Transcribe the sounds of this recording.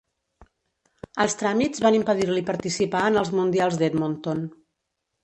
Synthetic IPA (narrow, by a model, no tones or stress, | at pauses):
əlˠst̪ɾamizβanimpəðiɾlipəɾt̪isipaənəlˠzmund̪ialˠzd̪ed̪mont̪on